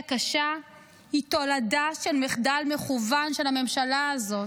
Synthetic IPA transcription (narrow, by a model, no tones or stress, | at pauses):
kaʃa | hito̞ladaʃelmeχdalmeχuvanʃelame̞mʃalaːzo̞